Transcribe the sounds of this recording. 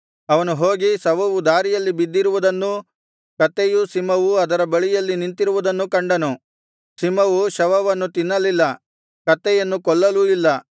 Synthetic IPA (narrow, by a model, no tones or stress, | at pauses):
ɐʋɐnuɦoːɡisɐʋɐʋud̪aːɾijɐlːibid̪ːiɾuʋud̪ɐnːu | kɐt̪ːɛjusimɐʋuɐd̪ɐɾɐbɐɭijɐlːinint̪iɾuʋud̪ɐnːukɐɳɖɐnu | simɐʋuʃɐʋɐʋɐnːut̪inːɐlilːɐ | kɐt̪ːɛjɐnːukɔɭːɐluilːɐ